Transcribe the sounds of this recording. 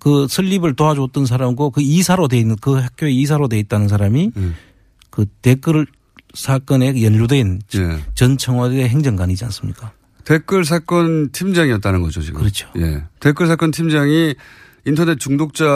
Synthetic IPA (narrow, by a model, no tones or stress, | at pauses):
kɯsʰɯʎːibɯɭtoad͡ʑot͈ʌnsʰaɾamɡokɯisʰaɾodwe̞inːɯnkɯhek͈ʰjoeis̬ʰaɾodwe̞it̚t͈anɯnsʰaɾami | kɯte̞k͈ɯɭ | sʰak͈ʌne̞jʌnʎudwe̞n̰t͡ɕʌnt͡ɕʰʌŋwadeɦeŋd͡ʑʌŋɡaɲid͡ʑia̰ns͈ɯmɲik͈a | tek͈ɯɭs̬ʰak͈ʌntʰimd͡ʑaŋiʌt̚t͈anɯnɡʌd͡ʑo̰t͡ɕḭɡɯɯɾʌt͡ɕʰo̥jḛtek͈ɯɭsʰak͈ʌntʰimd͡ʑaŋi | intʰʌne̞t̚t͡ɕuŋdok̚t͡ɕ͈a